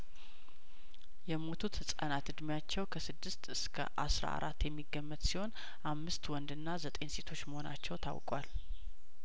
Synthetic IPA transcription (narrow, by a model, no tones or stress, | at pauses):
jɛmo̞t̪ʰut̪hɨsʼa̰nat̪ɨd̪mjat͡ʃːɛwkʰəsɨd̪ːɨst̪ɨskʰə̰ʔasɾa̰a̰ɾʔat̪ːjɛmːiɡːəmːət̪siho̞n | ʔamːɨst̪wɔnd̪ɨnːazət̪ʼe̞nse̞t̪ʰo̞t͡ʃːməho̞na̰t͡ʃːɛwt̪ʰa̰wkʼwal